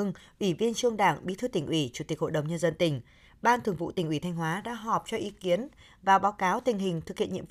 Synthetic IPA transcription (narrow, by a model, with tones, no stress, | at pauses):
ɨ˧ŋʔwi˧˩vi˧ənt͡ɕɨ˧əŋɗaː˧˩ŋɓi˨˦t̪ʰɨ˧t̪ï˧˩ŋ̟ʔwi˧˩t͡ɕu˧˩t̪i˨˩k̚ho̰˧˨ɗə˨˩wŋ͡mɲə˧nzə˧nt̪ï˧˩ŋ̟ | ɓaː˧nt̪ʰɨ˨˩əŋvṵ˧˨t̪ï˩ŋ̟ʔi˧˩t̪ʰa˧jŋ̟ɦwaː˨˦ɗa̰ː˧˥ɦɔ˨˩p̚t͡ɕɔ˧ʔi˨˦ki˨˦ən | vaː˨˩wɓaː˨˦wkaː˨˦wt̪ï˨˩ŋ̟ɦï˨˩ŋ̟t̪ʰɨ˨˩k̚hḭ˧ənɲḭ˧˥˦